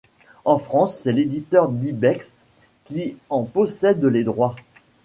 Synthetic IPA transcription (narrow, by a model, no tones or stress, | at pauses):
ɑ̃fχɑ̃sːɛled̪it̪œʁd̪ibɛks | kʲiɑ̃pɔsɛd̪led̪ʁwa